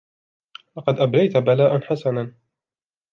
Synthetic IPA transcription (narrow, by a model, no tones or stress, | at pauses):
lɑqɑd̪ʔablajt̪abalaːʔanħasanan